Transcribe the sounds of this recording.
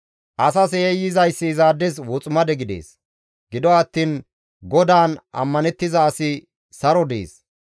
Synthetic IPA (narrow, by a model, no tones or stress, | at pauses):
ʔɐs̬ɐsejɪzɐjsːɪːzaːd̪ːɛzwɔt͡sʼʊmɐd̪ɛɡɪd̪ḛːs | ɡ̥ɪd̪ɔɐt̪ːiːn | ɡɔd̪aːnʔɐ̰mːɐnɛt̪ːɪzɐːsɪ | sɐɾɔd̪ḛːs